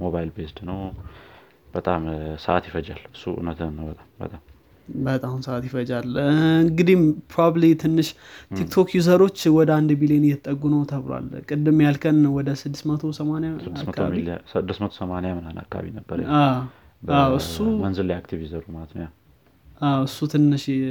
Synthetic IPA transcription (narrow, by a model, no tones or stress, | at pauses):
moβajlbest̪nəw | b̥ət̪ʼamsəʔa̰t̪jɪfəd͡ʒalɨsːuṵnət̪ʰnːəwbət̪ʼambə̰t̪ʼam | bət̪ʼahmnsəat̪jɪfəd͡ʒalɨŋɡɨd̪impʰɾobablit̪ʰɨnːɨʃt̪ʰikt̪ʰo̞kjuzəɾo̞t͡ʃːwɔd̪əand̪bilijenjɛt̪ʼːəɡːunəwt̪ʰəβlwa̰lkʼɨd̪ːɨmjalkʰənwɔd̪əsɨd̪ːɨsmət̪ʰusəmanjaɨd̪asmək̪aa̰iɨd̪ːɨsmət̪ʰosəmanjamɨna̰na̰kːaa̰βḭnəbːəɾ̰a | bawɨsːumənzɨleakt̪ʰiviuzəɾumat̪nja | ʔawɨsːut̪ʰɨnːɨʃ